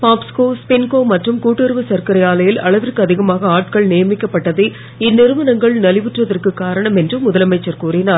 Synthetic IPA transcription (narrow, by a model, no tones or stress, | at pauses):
paːpskoːspɪnkoːmɐʈrɯmkuːʈːɪɾʋɯsɐɾkɐɾɐjaːlɐjɪlɐ̰ɭɐʋɪrkɯɐðɪɣɐmaːɣɐaːʈkɐɭnɪjɐmɪkːɐpːɐʈːɐðɯ | ɪnːɪɾɯmɐnɐŋɡɐɭnɐlɪʋɪʈrɐðɐrkɯkːaːɾɐɳɐmɛndrɯmʊðɐlɐmɐɪt͡ʃːɐɾkuːrɪnaːɾ